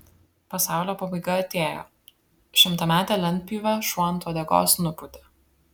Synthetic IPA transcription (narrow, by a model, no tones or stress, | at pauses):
pɐsɑˑʊlʲoːpɐbɐɪɡɐɐt̪ʲeːjo̰ː | ʃʲɪmt̪ɐmʲæːt̪ʲɛlʲɛnʲt̪pʲiːʋɐʃuɔnt̪uːd̪ʲɛɡo̰ːsnʊpʊt̪ʲɛ